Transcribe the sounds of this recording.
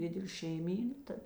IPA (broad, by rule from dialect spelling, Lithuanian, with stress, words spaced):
ˈdʲɪdʲɛlʲeː ʃʲɛɪˈmʲiːnɐ ˈtɐt